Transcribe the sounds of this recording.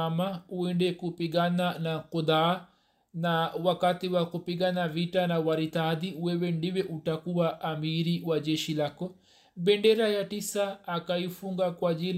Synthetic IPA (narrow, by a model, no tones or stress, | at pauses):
amauɛndɛkupiɡananakud̪a | nawakatiwakupiɡanavitanawaɾit̪aðiwɛwɛndiwɛʔutakuwaʔːmiɾiwad͡ʒɛʃilakɔ | bɛndɛɾajatisaːkaifuŋɡakwad͡ʒil